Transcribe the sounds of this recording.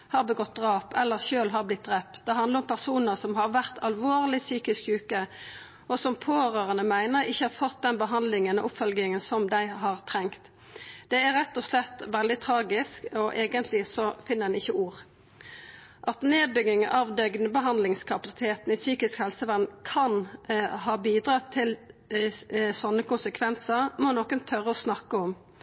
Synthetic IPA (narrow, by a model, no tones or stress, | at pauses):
hɑːʁbəɡɔt̪̚d̪ɾɑːpɛlːəʁʃøːlɦɑʁblɪt̪̚d̪ʁɛpd̪ɛɦɑnd̪ləɾʊmpʰæʁsuːnəʁsɔmɦɑʁʋæʁt̪ʰɑlʋoːʁlɪsyːkɪskjʉːkə | ɔsɔmpʰoːɾøːʁənəmæɪnəɾɪçːəhɑʁfɔt̪̚d̪ɛnbəɦɑnd̪lɪŋənɔ̰ʔʊpfœlɡɪŋənsɔmd̪æɪɦɑʁt̪ʰɾɛŋkt̪ | d̪̥ɛæɾɛt̪ːɔslɛt̪ːʋɛld̪ɪt̪ʰɾɑːɡɪskɔʔeːɡənt̪lɪsɔfɪnːəʁd̪ɛnɪçːəuːʁ | ʔɑt̪neːd̪̚bʏɡɪŋəʔɑʋd̪œɡnəbəɦɑnd̪lɪŋskʰɑpɑsɪ̥t̪ʰeːt̪n̩isyːkɪskhɛlsəʋænkʰɑnɦɑːbiːd̪ɾɑːt̪ʰɪl | sɔnːəkʊnsəkʰʋɛnsəʁmɔnɔkːənt̪ʰœʁːəɔsnɑkːəɔm